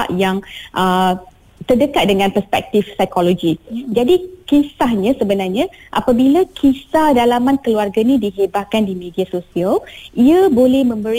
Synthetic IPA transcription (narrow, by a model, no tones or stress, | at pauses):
aʔjaŋʔə | t̪ərdəkat̪̚dəŋãnpərspɛ̰k̚t̪ifsajkolod͡ʒid͡ʒadikisahɲãsəbənarɲãʔa̰pabilakʰisahdalamãnkəluarɡanĩdiɦebaʔ̚kandimediasosialiəbolɛhmə̃mbəɾ